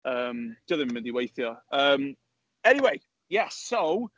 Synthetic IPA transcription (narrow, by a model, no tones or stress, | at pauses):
əmd̥ʌðɪ̃mmɪ̃ndiwejθjɔəm | ɛniweɪ | jɛsoʊ